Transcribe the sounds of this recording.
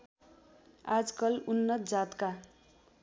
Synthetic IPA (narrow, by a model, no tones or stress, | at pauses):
ad͡zkʌlunːʌt̪̚d͡zat̪ka